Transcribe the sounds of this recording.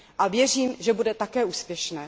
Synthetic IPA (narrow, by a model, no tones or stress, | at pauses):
ʔavjɛriːmʒɛbudɛt̪akɛːʔuːspjɛʃnɛː